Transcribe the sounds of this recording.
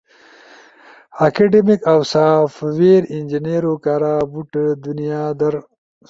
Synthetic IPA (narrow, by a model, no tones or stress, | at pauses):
akaɖemikawsaːfweːɾɪnd͡ʒineɾokaːɾaːbuʈd̪unijaːd̪ɐɾ